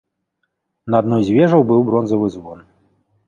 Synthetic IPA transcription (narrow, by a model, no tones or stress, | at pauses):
nɐad̪nɔjzʲvʲɛʐɐwbɨwbɾɔnzɐvɨzvɔn